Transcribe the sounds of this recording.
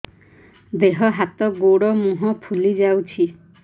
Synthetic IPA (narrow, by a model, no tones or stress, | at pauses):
d̪eɦɔɦat̪ɔɡoɽɔmũɦɔpʰulid͡ʒawt͡ʃʰi